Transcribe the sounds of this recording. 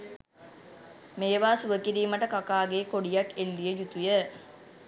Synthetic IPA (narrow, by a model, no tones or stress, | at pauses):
meːʋaːsuʋəkiɾiːməʈəkakaːɡeːkoɽijakelːijəjut̪ujə